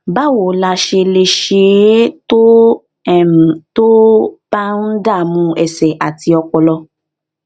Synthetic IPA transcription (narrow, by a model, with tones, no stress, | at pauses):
ba˦wo˨la˧ʃe˧le˧ʃe˧˨˦to˦˨ | to˦b̥a˦n̩˦da˦˨mũ˧˦ɛ˨sɛ˨ʔa˨ti˧ɔ˧kɔ˨lɔ˧